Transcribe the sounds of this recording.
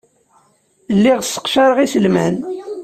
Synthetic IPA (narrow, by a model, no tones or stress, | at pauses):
lːiʁsːə̥qʃaɾəʁisəlmæn